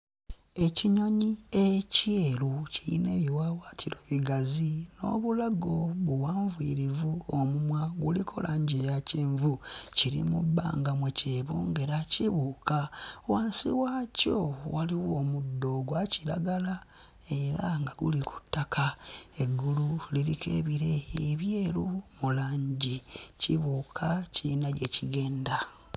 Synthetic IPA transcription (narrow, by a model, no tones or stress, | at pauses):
e̞ciɲo̞ɲieceːluciḭneβiwaːwaːtʰiɾeːβiɡazino̞̰βulaɡo̞βuwaːɱvwiɾivuomumwaɡulikʰo̰lʔaɲɟejaceːɱvuciɾḭmṵbːa̰ːŋɡamweceːβuŋɡe̞ɾaciβukʰaowaːnsiwaːcowaliwo̞ːmudːo̞ɡwaciɾa̰ɡala | e̞ɾaŋɡaɡṵlikʰu̥tːakʰae̞ɡːululilikʰeβiɾe̞eβje̞ːlumulaːɲɟiciβuːkʰacinaɟe̞ciɡe̞ːnda